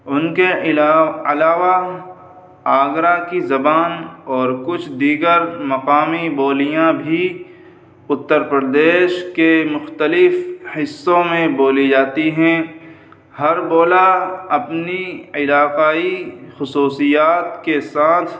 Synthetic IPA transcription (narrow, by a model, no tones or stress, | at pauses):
ʊnke | ɐlaːʋa | aːɡɾakizɐbaːnɔːɾkʊt͡ʃʰd̪iːɡəɾmɐqaːmiboːlijãbʱi | ʊt̪ːəɾpɾəɾd̪eːʃkemʊxt̪əlɪfhɪsːõmẽboːlid͡ʒaːt̪iɦɛ̃ | hɐɾboːlaɐpniɪlaːqaːixʊsuːsijaːt̪kesaːt̪ʰ